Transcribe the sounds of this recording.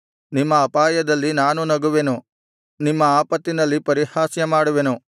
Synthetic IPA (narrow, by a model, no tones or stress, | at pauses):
nimːɐːpaːjɐd̪ɐlːinaːnunɐɡuʋenu | nimːɐaːpɐt̪ːinɐlːipɐɾihaːsjɐmaːɽuʋenu